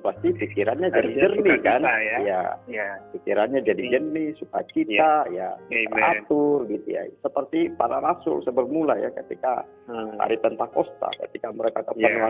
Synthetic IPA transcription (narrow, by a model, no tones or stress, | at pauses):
past̪ipikiɾanɲad͡ʒadid͡ʒərnikanja̰ | pikiɾanɲad͡ʒadid͡ʒərnisuka̰t͡ʃit̪aja̰a̰t̪ʊrɡit̪ṵja̰səpərt̪ipaɾaɾasʊ̰lsəbərmulaja̰kət̪ika̰ | ha̰ɾip̪ənt̪akost̪a̰kə̰t̪ikaməɾekakəpəna